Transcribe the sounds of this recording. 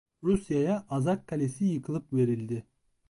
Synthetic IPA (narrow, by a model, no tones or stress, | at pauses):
ɾusjajaʔazakʰːalʲesijɯkʰɯlˠɯpve̞ɾilʲd̪ɪ